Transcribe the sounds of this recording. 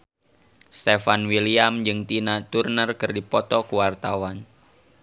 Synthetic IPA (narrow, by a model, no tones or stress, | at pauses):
st̪efanwiliamd͡ʒɨŋt̪inat̪urnərkɨrdipɔt̪ɔkuwart̪awan